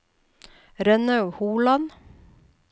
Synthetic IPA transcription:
ɾɛnœʉhuːlɑn

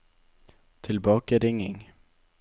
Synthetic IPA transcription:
t̪ʰɪlbɑːkaɾɪŋːɪŋ

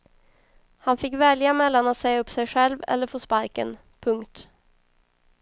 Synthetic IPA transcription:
hanfɪkːvɛljamɛlːanat̪sɛjɵpːsɛjɧɛlvɛ̰lːəɾfoːspaɾkə̰n | pʰɵŋkt̪

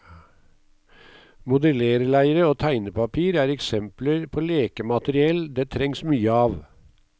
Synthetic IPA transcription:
mʊd̪əleːɾəlæɪəɾəoːt̪ʰæɪnəpʰɑpʰiːɾæːɾɛksɛmpləɾpʰoːleːkəmɑt̪əɾɪɛld̪eːt̪ʰɾɛŋsmyːəɑːʋ

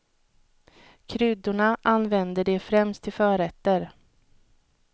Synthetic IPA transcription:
kʰɾʏd̪ʊɳaʔanːvɛnd̪əɖeːfɾɛmst̪ʰːɪlfœːɾɛt̪ːəɾ

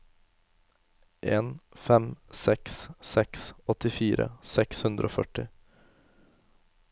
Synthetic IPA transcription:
ʔeːnfɛmsɛkssɛksɔt̪ɪfiːɾə̰sɛkshʉnd̪ɾʔo̰ːfœʈɪ

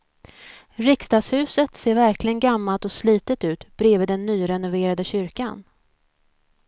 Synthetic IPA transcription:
ɾɪkst̪ɑːɡshʉ̟ːsət̪seːɾvæɾklɪɡənɡamːalt̪ɔsliːt̪ət̪ʉ̟ːt̪b̥ɾeːvəd̪ɛnːyːɾɛnʊveːɾad̪əɕʏɾkan

